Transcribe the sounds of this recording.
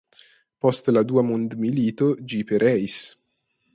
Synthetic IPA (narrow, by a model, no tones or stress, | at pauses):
pɔst̪lad̪uːamond̪miliːt̪od͡ʒipeɾʔɛjs